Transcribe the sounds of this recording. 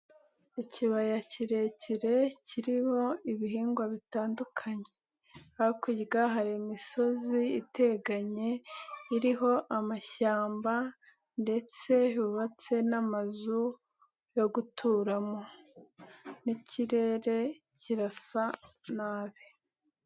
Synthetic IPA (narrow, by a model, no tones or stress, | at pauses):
iciβajaciɾe̞ciɾe̞cʰiɾiho̞iβiɦiːŋɡwaβitaːndukʰaɲe̞ | aikiɟɡaɦaɾimiso̞ziːte̞ɡaɲe̞iɾiɦo̞ʔamaʃaːmba | nde̞t͡se̞juβat͡se̞namazu | jo̞ɡutʰuːɾamo̞ | nicʰiɾe̞ɾe̞ | ciɾasanaːβe